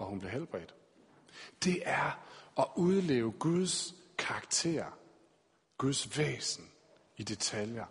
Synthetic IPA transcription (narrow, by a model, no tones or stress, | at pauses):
ɒ̽hunb̥le̝ɦelb̥ʁɛ̰d̥ | d̥e̝ʔæɐɒ̽ʔuð̞ˠle̝̰ːʊəɡ̥uð̞ˠskʰɑ̈ɡ̥t͡sʰe̝̰ːɐ | ɡ̥uð̞ˠsʋḛːsn̩ | id̥e̝t͡sʰæljɐ